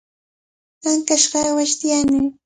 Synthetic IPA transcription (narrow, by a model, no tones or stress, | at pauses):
aŋkaʃɢɑwaʃt̪ɪjanɪ